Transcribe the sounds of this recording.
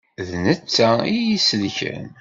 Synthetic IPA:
ðnət͡sːæijisəlçæ̰n

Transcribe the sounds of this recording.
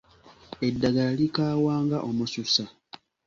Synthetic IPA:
e̞dːaɡaalikaːwaːŋɡaʔomususa

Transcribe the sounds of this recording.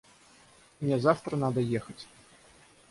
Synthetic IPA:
nʲɛzawt̪ɾɐnad̪ɐjɛxɐt͡sʲ

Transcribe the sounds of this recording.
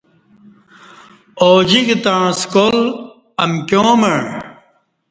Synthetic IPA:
oːd͡ʑikt̪ãskol | ɐmkjõːmɐɳ

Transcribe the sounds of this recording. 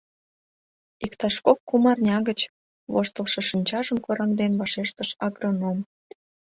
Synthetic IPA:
ikt̪ɑʃkokːumɑrnʲɑɣət͡ɕ | βoʃt̪ə̆lˠʃɤ̆ʃinʲt͡ɕɑʒəmkoɾɑŋd̪enβɑʃeʃt̪əʃɑɡronom

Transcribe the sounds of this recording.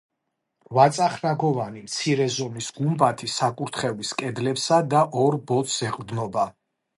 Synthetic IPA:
vat̪sʼaχɾaɡɔvanimt̪sʰiɾɛzɔmisɡumbat̪ʰisakʼuɾt̪ʰχɛviskʼɛd̪lɛpsad̪aʔɔɾbɔt̪sɛqʼvd̪nɔba

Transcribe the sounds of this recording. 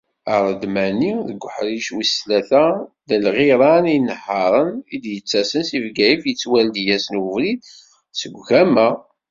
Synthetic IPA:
əɾˤəd̪mæniðəɡʷħɾiʃwislæθæðəlʁiɾˤɑninəħɑɾˤənid̪jət͡sːæsənsivɡæjəfjət͡sːwæld̪jæsənəvɾid̪ | səɡʷʝæmæ

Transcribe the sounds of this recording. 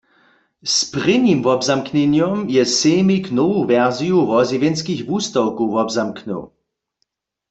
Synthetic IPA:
spʁɪnimvɔbzamknɛnjɔmjɛseːmiknɔwovɛʁzijuvɔzivjɛnskixvust̪awkuvɔbzamknə̰w

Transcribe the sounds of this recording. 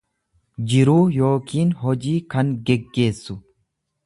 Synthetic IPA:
d͡ʒɪɾuːjo̞ːkʰiːnɦɔd͡ʒiːkɐŋɡɛɡːe̞ːsːʊ

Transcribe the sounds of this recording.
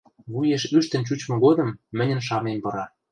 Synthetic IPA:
βujeʃyʃt̪ə̆nt͡ɕut͡ɕmɤ̆ɣod̪ɤ̆mːɘ̆nʲə̆nʃ̬ɑmembɤ̆ɾɑ

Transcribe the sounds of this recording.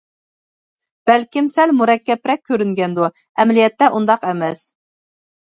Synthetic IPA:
b̥ɛlkʲimsɛlmuɾɛkʲːɛpɾɛk̚ʲʰːøɾyŋɡʲɛnd̪u | ɛmlijɛt̪ːɛʔund̪ɑqɛmɛs

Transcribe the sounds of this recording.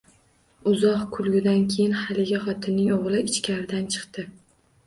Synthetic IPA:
ʊzɒqkʰʊlˠɡʲɪd̪ankʲʰejɪnhalɪɡʲaχɒt̪ʰɪnːɪŋoʁlˠɪɪt͡ʃkʲʰaɾɪd̪ant͡ʃʰɨ̥qt̪ɪ

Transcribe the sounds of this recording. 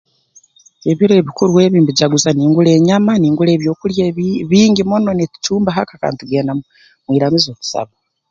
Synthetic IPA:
e̞βiɾe̞βikuɾuwe̞ːβiːmbiɟaɡuzaniːŋɡule̞ːɲamaniːŋɡule̞ːβjoːkuljeβiːɲɟimononeti̥t͡ʃuːmbaɦakaka̰ːntuɡeːna | mwiːɾamizoːku̥sa̰βa

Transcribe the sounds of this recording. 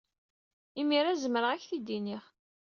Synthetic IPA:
imiɾæzəməɾəʁæçθid̪ːiniχ

